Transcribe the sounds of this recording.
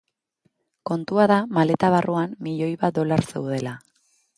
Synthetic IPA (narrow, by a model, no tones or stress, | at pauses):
ko̞nt̪uaðamale̞t̪aβ̞arʔuamːiʎo̞jβat̪̚d̪o̞laɾse̞̰wð̞e̞la